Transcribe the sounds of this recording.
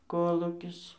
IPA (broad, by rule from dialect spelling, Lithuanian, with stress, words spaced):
ˈkoːlˠuːkʲɪs